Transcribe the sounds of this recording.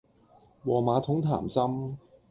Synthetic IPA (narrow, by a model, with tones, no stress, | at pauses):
wɔː˨˩maː˨˧˥t̪ʰʊ˨˥ŋt̪ʰa̰ː˨˩msɐ˥m